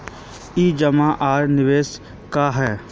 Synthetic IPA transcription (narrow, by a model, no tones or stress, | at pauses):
iːd͡ʒəmãʔaːɾnɪʋeːs | kaɦɛː